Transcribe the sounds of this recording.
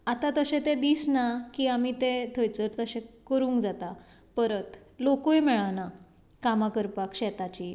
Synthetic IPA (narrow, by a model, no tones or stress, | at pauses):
at̪at̪əɕẽt̪ẽd̪iːsnakiːamit̪et̪ʰəjt͡səɾt̪əɕẽkəɾuːŋkd͡zat̪a | pəɾət̪lokojmɛɭana | kamakəɾpakɕɛt̪at͡ɕi